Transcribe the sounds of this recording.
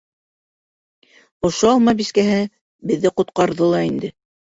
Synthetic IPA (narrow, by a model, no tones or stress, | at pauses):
ŏʃoɑlˠmɑbiskæɦɘ | bɘ̆ðːɘqŏt̪̚qɑɾðɤlˠɑind̪ɘ